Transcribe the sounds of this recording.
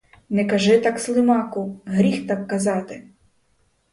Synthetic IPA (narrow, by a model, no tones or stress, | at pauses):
nɛkɐʒɪt̪ɑkslˠɪmɑkʊɦɾʲixt̪ɑkːɐzɑt̪ɪ